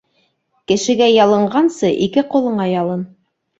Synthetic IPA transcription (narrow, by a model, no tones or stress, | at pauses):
kɘ̆ʃɘ̆ɡæjɑlˠɤ̆ɴɢɑnsɤʔikɘqulˠɤ̆ɴɑjɑlˠɤn